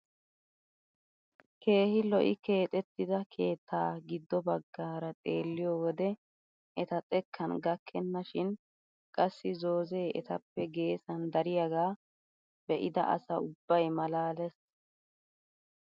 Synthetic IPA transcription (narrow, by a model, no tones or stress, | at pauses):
ke̞ːhɪlɔʔɪke̞ːt̪ʼɛt̪ːɪd̪ɐkʰe̞ːt̪ʰːaːɡɪd̪ːɔbɐɡːaːɾɐt̪ʼe̞̰ːlːɪjɔwɔd̪ɛ | ʔɛt̪ɐt͡sʼɛkʰːɐnɡɐkʰːɛnːɐʃɪn | kʼɐsːɪzo̞ːzeːʔɛ̰t̪ɐpːɛɡe̞ːsɐnd̪ɐɾɪjaɡaː | b̥ɛʔɪd̪ɐ̰ʔɐ̰sɐʊbːɐjmɐlaːlɛs